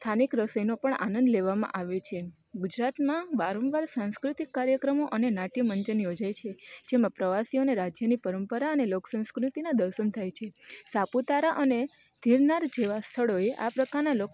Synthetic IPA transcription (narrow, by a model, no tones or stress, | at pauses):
st̪ʰanikɾəsəjnopəɳa̰nə̃nd̪leʋamã̰ʔaʋet͡ʃʰe | ɡud͡ʒɾat̪mãbaɾõnʋaɾsãñskɾut̪ikːaɾjəkɾəmoʔənenaʈiməɲd͡ʒənjod͡ʒajt͡ʃʰed͡ʒemãpɾəʋasioneɾad͡ʒjənipəɾəmpəɾaəneloksə̃w̃skɾut̪inad̪əɾʃənt̪ʰajt͡ʃʰesaput̪aɾaʔəne | d̪̥ʱiɾnaɾd͡ʒeʋast̪ʰəɭoeʔa̰pɾəkaɾnalo